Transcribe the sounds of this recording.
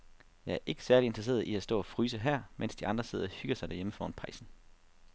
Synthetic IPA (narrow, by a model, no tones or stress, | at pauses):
jɑ̈ɪæɐʔe̝ɡ̥ə̥sæɐlie̝nd̥ʁɐse̝̰ːɐðˠiæsd̥ɔ̰̽ːæfʁyːsəɦæɐ̰men̰sd̥iɑ̈nd̥ʁɐse̝ð̰ˠɐɒhyɡ̥ɐsɑɪd̥æɐjeməfɒ̰ːnpʰɑ̈ɪsn̩